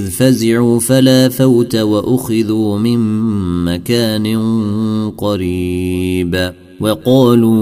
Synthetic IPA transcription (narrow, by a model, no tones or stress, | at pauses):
ðfazɪʕuːfalaːfawt̪awaʔʊxɪðuːmɪnmakaːnɪ | qɑɾiːb | wɑqɑːluː